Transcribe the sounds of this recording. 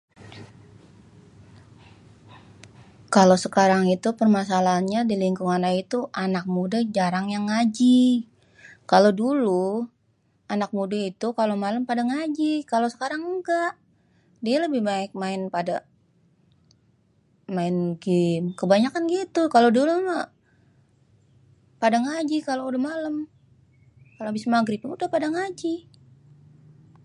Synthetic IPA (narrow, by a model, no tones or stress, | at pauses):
kalosəkaɾaŋit̪upərmasalaɲadiliŋkuŋanakit̪uʔanak̚mudad͡ʒaɾaŋjaŋːad͡ʒi | kalodulu | anak̚mudait̪ukalomalampadaŋad͡ʒikalosə̥kaɾaŋəɡaʔ | dialəbɪhmaɪk̚maɪnpada̰ | maɪnɡimkəbaɲakanɡit̪ukaloduluma | padaŋad͡ʒikaloudahmaləm | kaloabismaɡɾipənudahpadaŋad͡ʒi